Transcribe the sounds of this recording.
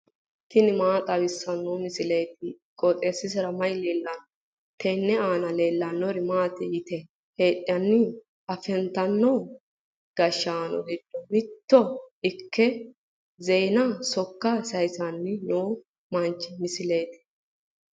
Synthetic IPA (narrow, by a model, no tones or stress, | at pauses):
t̪ɪnɪmaːt̪ʼɐwɪsːɐnːɔːmɪsɪlejt̪̚ɪ | kʼɔt̪ʼe̞ːsːɪs̬ɪɾɐmɐjle̞ːlːɐnɔ | t̪ɛnːɛaːnɐle̞ːlːɐnːɔɾɪmaːt̪ɛjɪt̪ɛ | he̞ːᶑʼːɐnːɪ | ɐfɛnt̪ɐnːɔ | ɡ̥ɐʃːaːnɔ̰ɡɪd̪ːɔmɪt̪ːɔɪkːɛ | zɛjnɐsɔkːɐsɐjsɐnːɪnoː | mɐnt͡ʃːɪmɪsɪlejt̪ɪ̥